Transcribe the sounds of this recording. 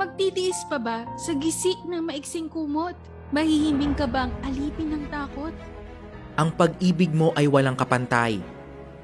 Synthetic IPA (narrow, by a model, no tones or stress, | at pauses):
mɐɡ̚t̪iːd̪ɪʔɪspɐbɐsɐɡɪsɪʔnɐŋmɐʔɪɡsɪŋkuːmo̞t̪̚ | mɐhihɪmbɪŋkɐbɐɐŋʔɐliːpɪnɐŋt̪aːko̞t̪̚ | ʔɐŋpɐɡ̚ʔiːbɪɡ̚mo̞ʔɐjwɐlaŋkɐpɐnt̪aj